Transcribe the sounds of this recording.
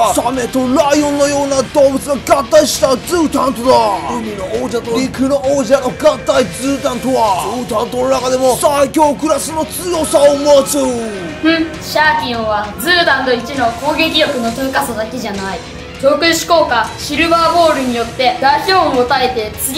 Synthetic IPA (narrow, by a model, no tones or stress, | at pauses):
asame̞t̪o̞ɾaijõ̞nːo̞jo̞ːnad̪o̞ːbɯ̟t͡sɨɡaɡat̪ːaiɕi̥t̪ad͡zɨːt̪ãnt̪od̪aɯmʲinooːʑat̪oɾʲikɯ̟nooːʑano̞ɡat̪ːaid͡zɨːt̪ãnt̪o̞βadoːt̪ãnt̪o̞no̞nakad̪e̞mo̞saikʲo̞ːkɯ̟ɾasɨno̞t͡sɨjo̞saomasɨ̃ | ɕaːkʲĩɰ̃βad͡zɨːd̪ãnd̪o̞it͡ɕino̞ko̞ːɡe̞kʲiɾjokɯ̟no̞t̪oikasod̪ake̞ʑanai | t͡ɕo̞ːkɯɕi̥ko̞ːkaɕiɾɯ̟baːbo̞ːɾɯ̟ɲ̟ijo̞t̪ːe̞d̪aiçʲoːɯmot̪aet̪e̞t͡sɨɡʲ